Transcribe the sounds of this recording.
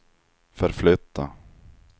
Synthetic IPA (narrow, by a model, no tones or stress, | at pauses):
fœɾflʏt̪ːa